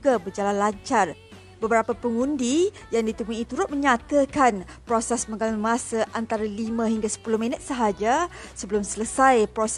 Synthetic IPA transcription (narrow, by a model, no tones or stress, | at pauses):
uɡabərd͡ʒalanlaɲt͡ʃar | bəbəɾapapəŋundi | jaŋdit̪əmuit̪uɾʊt̪̚məɲat̪əkanpɾosɛsməŋɡalalmasaʔant̪aɾalimãɦiŋɡasə̥pulohmĩnət̪̚səɦad͡ʒasəbəlʊmsələsajpɾosɛ